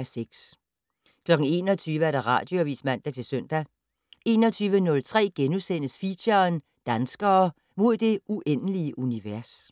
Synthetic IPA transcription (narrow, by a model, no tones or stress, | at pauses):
æseɡ̥s | kʰlɒ̽ɡ̥ŋ̩e̝̰ːnɒt͡sʰyːʋəæɐɾ̥ɑ̈ʁɑ̰̈ːd̥joæʋḭsmæn̰d̥æt͡sʰe̝lsœn̰d̥æ | e̝ːnɒt͡sʰyːʋənɔ̽lt͡sʰʁɛ̰ːɡ̥enusen̰əsfiɐn | d̥ænsɡ̥ɐː | mo̝ð̞̰ˠd̥e̝ʔuʔen̰əliəʔuniʋæɐs